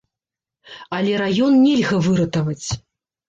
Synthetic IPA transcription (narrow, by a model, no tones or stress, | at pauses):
ɐlʲɛɾajɔnnʲɛlʲɣɐvɨɾɐt̪ɐvɐt͡sʲ